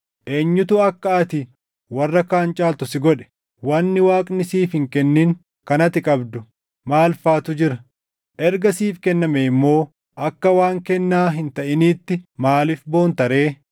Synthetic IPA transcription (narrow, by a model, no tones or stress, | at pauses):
ʔeːɲːʊt̪ʊɐkːɐʔɐt̪ɪ | wɐrːɐkaːnt͡ʃʼaːlt̪ʊsɪɡɔᶑɛ̥ | wɐnːɪwaːkʼnɪsiːfhɪŋkɛnːɪŋ | kɐnɐt̪ɪkʼɐbd̪ʊ | maːlfaːt̪ʊd͡ʒɪɾɐ | ʔɛɾɡɐsiːfkɛnːɐmeɪmːo̞ː | ʔɐkːɐwaːŋkɛnːaːɦɪnt̪ɐʔɪniːt̪ːɪmaːlɪfbo̞ːnt̪ɐɾeː